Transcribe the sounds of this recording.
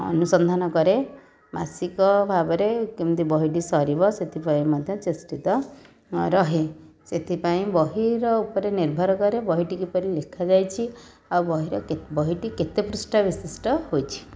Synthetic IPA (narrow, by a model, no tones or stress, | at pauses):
ɔ̰nusɔnd̪ʱanɔkɔɾe | ma̰sikɔbʱabɔɾekimt̪ibɔɦiʈisɔɾibɔset̪ʰipaĩmɔd̪ʱjɔt͡ʃesʈit̪ɔ | ɾɔɦe | set̪ʰipaĩbɔɦiɾɔupɔɾeniɾbʱɔɾɔkɔɾebɔɦiʈikipɔɾilekʰad͡ʒajt͡ʃʰi | awbɔɦiɾɔkebɔɦiʈiket̪epɾusʈabisisʈɔhojt͡ʃʰi̥